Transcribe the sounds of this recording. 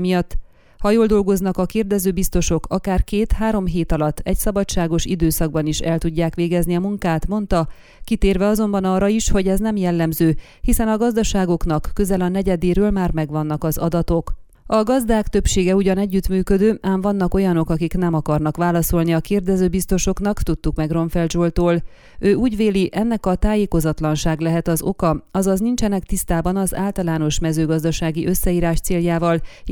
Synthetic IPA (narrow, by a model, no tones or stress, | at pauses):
mijɒt̪ː | hɒjoːld̪o̞lɡo̞znɒkɒkeːrd̪ɛzøːbist̪o̞ʃo̞kɒkaːrkeːt̪haːɾo̞mɦeːt̪ɒlɒt̪ːɛcsɒbɒt͡ʃt͡ʃːaːɡo̞ʃid̪øːsɒɡ̚bɒniʃɛlt̪uɟːaːkʋeːɡɛzniɒmuŋkaːt̪mo̞nt̪ɒ | kit̪eːrvɛɒzo̞mbɒnɒːrːɒiʃho̞ɟɛznɛmjɛlːɛmzøː | hisɛnɒɡɒzd̪ɒʃaːɡo̞kn̪ɒkːø̞zɛlɒnɛɟɛd̪eːɾøːlmaːrmɛɡʋɒnːɒkɒzɒd̪ɒt̪o̞k | ɒɡɒzd̪aːkt̪øpʃeːɡɛuɟɒnɛɟːyt̪myːkød̪øːʔaːɱvɒnːɒko̞jɒno̞kɒkiknɛmɒkɒrnɒkʋaːlɒso̞lniɒkeːrd̪ɛzøːbist̪o̞ʃo̞knɒkt̪ut̪ːukmɛɡro̞ɱfɛld̪ʒoːlt̪oːl | øːuːɟveːliʔɛnːɛkɒt̪aːjeːko̞zɒt̪lɒnʃaːɡlɛɦɛt̪ɒzo̞kɒɒzɒznint͡ʃɛnɛkt̪ist̪aːbɒnɒza̰ːlt̪ɒlaːno̞ʃmɛzøːɡɒzd̪ɒʃaːɡiʔø̞sːɛiːɾaːʃt̪seːljaːvɒl